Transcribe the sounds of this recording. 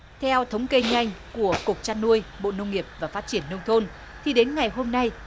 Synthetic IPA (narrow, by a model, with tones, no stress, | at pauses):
t̪ʰɛ˧wt̪ʰə˨˦wŋ͡mke˧ɲa˧jŋ̟ku˧˩əkʊ˨˩k͡p̚t͡ɕaː˧nːu˧əjɓo̰˧˨nə˧wŋ͡mŋi˨˩əp̚vaː˨˩faː˦˥t̚t͡ɕi˧˩ənːə˧wŋ͡mt̪ʰo˧n | t̪ʰi˨˩ɗe˨˦nŋa˨˩jɦo˧mna˧j